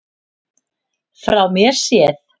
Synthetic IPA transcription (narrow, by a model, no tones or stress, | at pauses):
fɾawmjɛɾ̥sjɛθ